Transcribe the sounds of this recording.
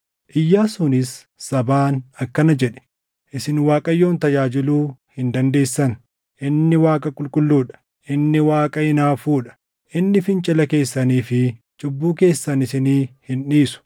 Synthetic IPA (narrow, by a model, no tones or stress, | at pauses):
ʔɪjːaːsʊnɪsː | ɐbaːnɐkːɐnɐd͡ʒɛᶑɛ̥ | ʔɪsɪnwaːkʼɐjːo̞ːnt̪ɐd͡ʒaːd͡ʒɪluːhɪnd̪ɐnd̪e̞ːsːɐn | ʔɪnːɪwaːkʼɐkʼʊlkʼʊlːuːᶑɐ̥ | ʔɪnːɪwaːkʼɐɪnaːfuːᶑɐ̥ | ʔɪnːɪfɪnt͡ʃʼɪlɐke̞ːsːɐniːfɪ | t͡ʃʼʊbːuːke̞ːsːɐnɪsɪniːhɪnᶑiːsʊ̥